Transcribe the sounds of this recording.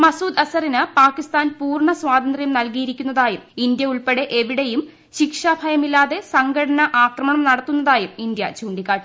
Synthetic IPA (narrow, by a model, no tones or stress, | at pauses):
mɐsuːd̪ɐsɐrinɨpaːkːist̪aːnpuːrɳɐswaːd̪ɐnd̪rijɐmnɐlkijiɾikʲːunːɐðaːjumind̪jɐuɭpeɽe̞ʔeʋiɽe̞jum | ɕikʂaːbʱɐjɐmilːaːðe̞sɐŋɡɐɽɐnɐʔaːkrɐmɐɳɐmnɐɽɐt̪ːun̪ːɐðaːjumind̪jɐt͡ɕuːɳɖikːaːʈ